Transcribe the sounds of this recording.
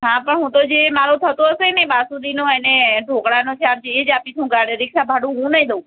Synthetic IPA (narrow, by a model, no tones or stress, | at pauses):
ɦãpəɳɦũt̪od͡ʒemaɾõt̪ʰət̪oɦəseneɓasũd̪inõɛneɖʱokɽanõt͡ʃʰeaɽt͡ʃʰeːd͡ʒapit̪ʰɦũɡaɽeɾɪkʃabʱaɽũɦũnəɦĩd̪əu